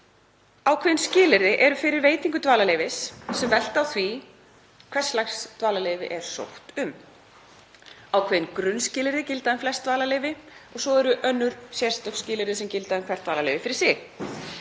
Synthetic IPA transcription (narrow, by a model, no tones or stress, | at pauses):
awkʰvɛːðɪnscɪːlɪɾðɪʔɛɾʏfɪɾɪɾveːjt̪iŋkʏt̪vaːlalejvɪsːɛmvɛl̥t̪awθvi | kʰv̥ɛr̥slajxst̪vaːlalejvɪ̰ʔɛɾ̥so̰wht̪ʏm | awkʰveːðɪnkɾʏnscɪːlɪɾðɪcɪlt̪aðʏmflɛst̪vaːlalejvɪɔɣsɔɛɾʏʔœnːʏɾ̥sjɛrst̪œkscɪːlɪɾðɪsɛmcɪlt̪aðʏmkʰvɛɾ̥t̪vaːlalejvɪfɪɾɪ̥ɾ̥sɪɣ